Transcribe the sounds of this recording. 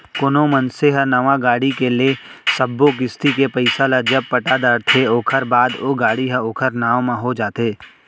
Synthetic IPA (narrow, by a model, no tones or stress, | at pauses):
kʊnomənseɦənɐʋãɡaːɽikele | səbːok̬ɪst̪ikepəɪsalad͡ʒəb̚pəʈaːd̪aːɾt̪ʰeoːkʰəɾbaːd̪oɡaːɽiɦəoːkʰəɾnaːʋmãɦod͡ʒaːt̪eː